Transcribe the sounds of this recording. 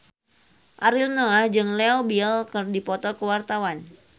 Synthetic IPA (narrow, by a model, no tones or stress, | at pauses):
ʔaɾilnoad͡ʒɨŋlɛobilkɨrdipɔt̪ɔkəwart̪awan